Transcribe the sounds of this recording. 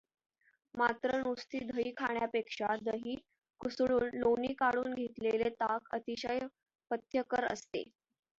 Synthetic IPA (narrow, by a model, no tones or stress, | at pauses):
mat̪ɾənust̪iːd̪ʱəiːkʰaɳjapekʂad̪əɦiː | kusɭuːnloniːkaɽuːnɡʱet̪lelet̪akət̪iɕəj | pət̪ʰjəkəɾə̰st̪ḛ